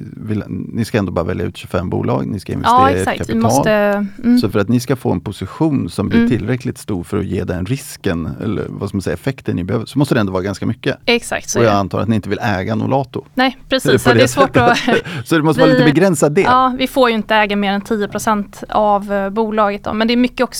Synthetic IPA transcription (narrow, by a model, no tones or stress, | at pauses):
vɪlnɪskaɛnd̪oːbɑːɾavɛljaʉ̟ːt̪ɕɵfɛmːbṵːlʔɑ̰ːɡnɪskaɪnvɛsɾast̪kkʰaɪɑsləssɔfœɾat̪nɪskafo̰ːɛnpʰʊsɪɧuːnsɔmblɪʈʰɪlɾɛklɪt̪st̪uːɾfœɾɔ̰jeːd̪ɛnɾɪskənɛ̰lːə̰ɾvaskamansɛjːaɛfɛkt̪əɳnɪbɛhøːvəsɔmɔst̪əd̪ɛɛnd̪ɔvɑːɾaɡanskamʏkːəɛksa̰k̚t̪sɔjɑant̪ʰɑːɾat̪nɪɪnt̪əvɪlɛːɡanʊ̰lʔɑːt̪ʊnɛpʰɾɛsisɔd̪ɛɛsvɛːsɔd̪ɛmɔst̪əvːɾlit̪əbɛɡɾɛnsad̪ɛɑːvɪfoːɾjɵɪnt̪əɛːɡameːɾɛnt̪ʰijəpʰɾʊsɛnt̪avbuːlɑːɡət̪̚d̪ɔ̰mɛnd̪ɛɾmʏkːəɔks